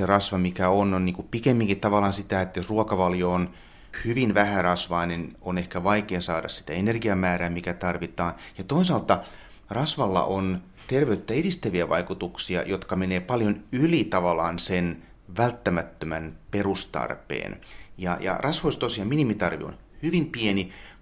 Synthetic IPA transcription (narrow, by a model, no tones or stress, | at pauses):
serɑsʋɑmikæononniːŋkuppikemːiŋkitt̪ɑʋɑlːˑɑːnsit̪æet̪josruɑkɑʋɑljoon | hyʋinʋæhærɑsʋɑinenonehkæʋɑikeɑsɑːdɑ̰ssi̥t̪æenerɡiɑmæːɾæːmikæt̪ɑrʋit̪ɑːnjɑt̪oisɑlt̪ɑ | rɑsʋɑlːɑ̰ʔon | t̪erʋeyt̪ːæedist̪æʋiæʋɑ̰ikut̪uksiɑ̰jot̪kɑmeneːpɑljonylit̪ɑʋɑlˑɑːnsen | ʋælt̪ːæmæt̪ːømænperust̪ɑ̰rpḛːnjɑ̰jɑ̰rʔɑsʋoist̪osiɑminimit̪ɑrʋḭo̰n | hyʋimpieni